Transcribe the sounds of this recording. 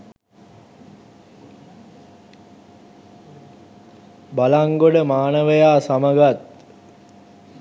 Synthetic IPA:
balaŋɡoɖəmaːnəʋəjaːsaməɡat̪̚

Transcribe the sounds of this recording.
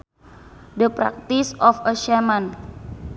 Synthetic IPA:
dəpɾa̰k̚t̪isɔfəʃɛman

